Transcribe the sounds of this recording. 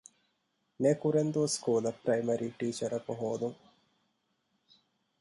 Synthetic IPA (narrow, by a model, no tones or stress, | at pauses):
nekuɾend̪uskuːlɐprɐjmɐɾiʈiːt͡ʃɐɾɐpoɦoːd̪uŋ